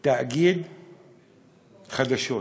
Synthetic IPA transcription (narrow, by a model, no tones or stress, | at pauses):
t̪aʔɡiːd̪ | xad̪aʃoː